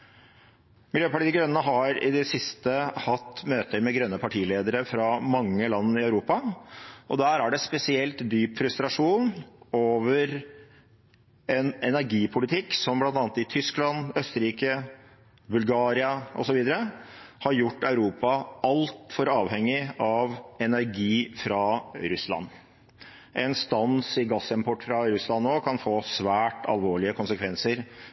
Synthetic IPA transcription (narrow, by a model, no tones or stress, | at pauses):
mɪljøːpɑʈiːɡɾœnənəɦɑɾɪ̰d̪ɛsɪst̪əhɑt̪ːmøːt̪əɾmɛɡɾœnːəpʰɑʈʰiːleːd̪əɾəfɾɑmɑŋːəlɑnːɪœʉɾuːpɑʔɔd̪æːɾæɖɛspɛsɪɛlt̪d̪yːpfɾʉst̪ɾɑʂuːnoːʋəɾ | ɛnɛnæɾɡiːpʰʊlɪt̪ʰɪkːsɔmblɑnt̪ɑːnt̪ɪt̪ʰʏsklɑnœst̪əɾiːkə | bʉlɡɑːɾɪɑʔɔ̰sɔʋiːd̪əɾəhɑɾjʊʈːœʉɾuːpɑɑlt̪fɔɾɑːʋhɛŋːɪɑʋɛnæɾɡiːfɾɑɾʉslɑ̰nː | ʔɛnst̪ɑnsɪɡɑsːɛmpʰɔʈːfɾɑɾʉslɑnːoːkʰɑnfoːsʋæːʈɑ̰lʋoːɭɪəkʰʊnsəkʰʋɛnsəɾ